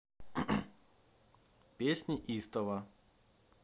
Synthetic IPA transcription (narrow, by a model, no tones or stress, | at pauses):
pʲesʲnʲiʔist̪ɐvɐ